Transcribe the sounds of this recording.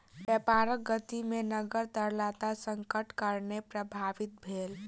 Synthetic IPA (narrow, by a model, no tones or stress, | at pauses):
bəpaɾək̚ɡət̪imenəɡəɾt̪əɾlat̪asəŋkəʈkəɾnepɾəbʱaʋit̪̚bʱel